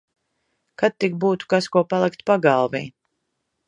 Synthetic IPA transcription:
kat̪̚ːik̚buːt̪u̥kaskuɔpalˠikt̪paɡalˠvḭː

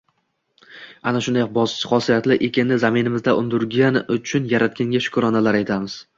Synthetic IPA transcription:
anaʃʊnd̪ajɒq̚bɒst͡ʃʰɪ̥χɒsijat̪lɪʔekʲɪnːɪzamɪnɪmɪzd̪aʔʊnd̪ʊɾɡʲanʊt͡ʃʰʊnjaɾat̪̚kʲaŋɡʲaʃʊ̥kɾɒnalaɾajt̪ʰamɪz̥

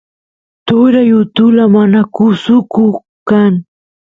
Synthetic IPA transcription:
t̪ʊɾajʊt̪ʊlamanakʊsʊkʊ | kaŋ

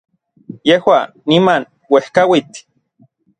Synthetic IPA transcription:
jehwa | niman | wehkawit̪

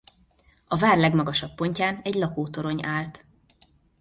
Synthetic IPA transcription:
ɒvaːrlɛɡmɒɡɒʃɒpːo̞ɲcaːnɛɟlɒkoːt̪o̞ɾo̞ɲaːlt̪

